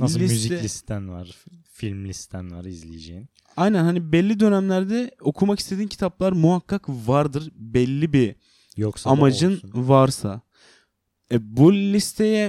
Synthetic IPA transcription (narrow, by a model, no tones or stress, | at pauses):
aslʲimzilʲist̪ænvaɾfilʲmlʲist̪ænvaɾizlʲijed͡ʒejin | ajnænhanibɛlʲːid̪ø̞næmlʲæɾd̪ɛo̞kʰumaki̥st̪ʰed̪iːncʰi̥t̪ʰaplˠaɾmuɦakːakvaɾd̪ɯɾbɛlʲːibi | joksamad͡ʒɯnvaɾsa̰ | ɛbulʲist̪ʰe̞jɛ